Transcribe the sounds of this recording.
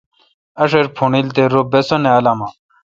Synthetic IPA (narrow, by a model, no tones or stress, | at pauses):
ɐʂeɾpʰuɳilt̪eɾobesoneɐlaːma